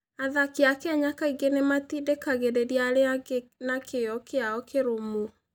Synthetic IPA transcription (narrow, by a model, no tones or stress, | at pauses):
aðakeakɛɲakaiɡenematidekaɣedeɾiaɾeanakʰeɔkeaɔkeɾomo